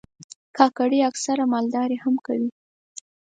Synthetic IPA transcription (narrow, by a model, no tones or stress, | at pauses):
kʰɑkaɽiaksaɾamɑld̪ɑɾehamkawi